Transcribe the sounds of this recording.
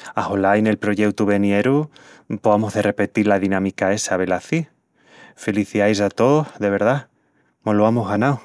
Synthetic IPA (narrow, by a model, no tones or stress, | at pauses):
aholajne̞lpɾo̞ʝe̞kt̪uβe̞nje̞ɾupoamoɦðe̞re̞pe̞t̪iɾlaðinãmikae̞saβe̞laθi | feliθiajsat̪o̞hðe̞β̞e̞ɾða | moloamoɦɣanaw